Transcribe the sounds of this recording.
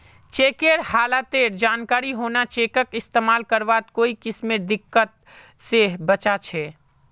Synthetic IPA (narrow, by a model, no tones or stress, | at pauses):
t͡ʃeːkeːɾhaːlat̪eːɾd͡ʒaːnkaːɾiɦoːnat͡ʃeːkəkɪst̪eːmaːlkəɾʋaːt̪̚koːikɪsmẽd̪ɪkːət̪̚ | sebət͡ʃat͡ʃʰɛː